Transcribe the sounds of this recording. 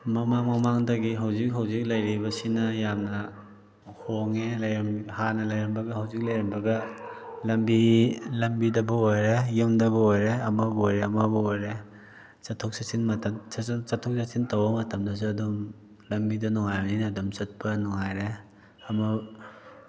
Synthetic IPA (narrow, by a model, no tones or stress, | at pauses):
mɐmaŋmɐmaŋdɐɡiɦɐwzik̚ɦɐwzik̚lɐjɾibɐsinɐjamnɐ | hoŋelɐjɾmhanɐlɐjɾɐmbɐɡɐhɐwzik̚lɐjɾimbɐɡɐlɐmbilɐmbidɐbɐojɾejumdɐβɐojɾeɐmɐbojɾeɐmɐbɐojɾe | sɐtʰok̚sasinmɐtʰɐmt͡ʃɐtʰːɔk̚sasintɐwbɐmɐtʰɐmdɐs̬uɐdom | lɐmbidɐnɔŋajbɐninɐːdumt͡ʃɐt̚pɐnɔŋajɾe | ɐmɐ